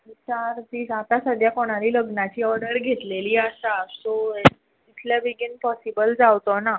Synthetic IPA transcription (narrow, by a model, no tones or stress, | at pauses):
it͡ɕaɾt̪iːsat̪asəd̪ʱjakoɽ̃aɾiːləɡnat͡ɕiːɔɾɖəɾɡʱet̪leliːəsaso | t̪it̪ʰljabiɡinpɔsibəld͡zawt̪ona